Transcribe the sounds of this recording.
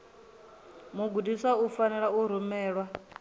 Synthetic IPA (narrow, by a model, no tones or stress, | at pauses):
muɡudisaufanɛɺauɾ̤umɛːɺwa